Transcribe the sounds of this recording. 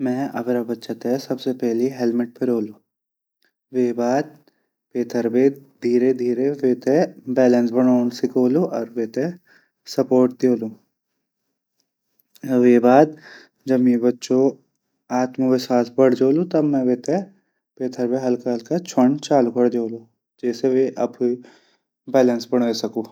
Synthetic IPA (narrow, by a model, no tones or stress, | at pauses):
mɛ̃ɐ̰bɾabɐtːʃat̪ɛsɐbsepɛɦliɦɛlmɪʈ̚peɾoːluː | ʋeːbaːd̪̚ | peːt̪ʰəɾbed̪ʱiːɾed̪ʱiːɾeʋeːt̪ebɛːlə̃nsbɐɽoːɳsɪkoːluɔːɾʋeːt̪e | sɐpoːɾʈ̚d̪eːlũː | ʋeːbaːd̪̚ | d͡ʒɐbmẽbɐtːʃo | aːt̪məʋesaːsbɐɽ̤d͡ʒoːlut̪ɐbmɛ̃ʋeːt̪e | peːt̪ʰəɾbeɦɐlkaɦɐlkat͡ʃʰəɳt͡ʃaːlukəɽd͡ʒoːluː | d͡ʒɛːseʋeʔɐb | bɛːlənsbɐɽ̃esɐkoː